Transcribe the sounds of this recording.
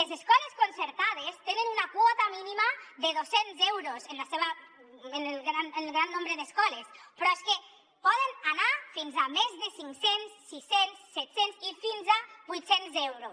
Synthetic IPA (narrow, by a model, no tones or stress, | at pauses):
lezeskɔleskonseɾt̪að̞est̪enənunakwɔt̪aminimaðəð̞osenzɛwɾozenlaseβə | enelɣɾanenelɣɾanːombɾeðəskɔlespɾɔeske | pɔðənanafinzamezðəsiŋksensːisensːɛt̪senzifinzabujt̪senzɛwɾos